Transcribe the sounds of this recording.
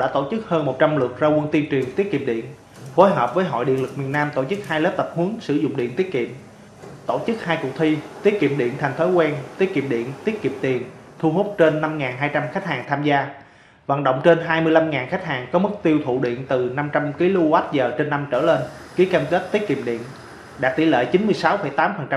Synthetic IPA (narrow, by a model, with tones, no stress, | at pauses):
ɗaː˧˥t̪o˧˩t͡ɕɨ˦˥k̚həː˧nmo˨˩t̚t͡ɕa˧mlɨ˨˩ək̚zaː˧wə˧nt̪i˧nt͡ɕwi˨˩əŋt̪i˦˥ət̚kḭ˧˨əmɗḭ˧˨ən | fo˨˦jɦəː˨˩p̚vəː˨˦jɦɔ̰˧˨jɗḭ˧˨ənlɨ˨˩k̚mi˨˩ənaː˧mt̪o˧˩t͡ɕɨ˦˥k̚haː˧jləː˦˥p̚t̪ə˨˩p̚hu˨˦əŋsɨ̰˧˩zʊ̰˧˨ŋ͡mɗḭ˧˨ənt̪i˦˥ət̚kḭ˧˨əm | t̪o˧˩t͡ɕɨ˦˥k̚haː˧jkʊ˨˩k̚t̪ʰi˧t̪i˦˥ət̚kḭ˧˨əmɗḭ˧˨ənt̪ʰɛ˨˩ŋ̟t̪ʰo˨˦jkwɛː˧nt̪i˦˥ət̚kḭ˧˨əmɗḭ˧˨ənt̪i˦˥ət̚ki˨əm̚t̪i˨˩ən | t̪ʰu˧ɦo˦˥t̚t͡ɕe˧nːa˧mŋaː˨˩nɦaː˧jt͡ɕa˧mxa˦˥k̚haː˨˩ŋt̪ʰaː˧mzaː˧ | va̰˧˨nɗə̰˧˨wŋ͡mt͡ɕe˧nɦaː˧jmɨ˧əjla˧mŋaː˨˩nxa˦˥k̟̚haː˨˩ŋkɔ˨˦mɨ˦˥k̚t̪i˧əwt̪ʰṵ˧˨ɗḭ˧˨ənt̪ɨ˨˩na˧mt͡ɕa˧mki˨˦lu˧wa˦˥t̚zəː˨˩t͡ɕe˧nːa˧mt͡ɕəː˧˩le˧n | ki˨˦əkaː˧mke˦˥t̚t̪i˦˥ət̚ki˧˨əmɗḭ˧˨ən | ɗa̰ː˧˥t̪i˧˩lḛ˧˨t͡ɕi˨˦nmɨ˧əjsa˨˦wfə̰˧˩jt̪aː˨˦mfə˨˩nt͡ɕa˧